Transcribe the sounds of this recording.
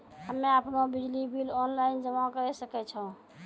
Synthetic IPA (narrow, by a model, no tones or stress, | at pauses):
ɦəmːeapnebid͡ʒlibilɔnlaɪnd͡ʒəmakəɾɛsəkɛt͡ʃʰəũ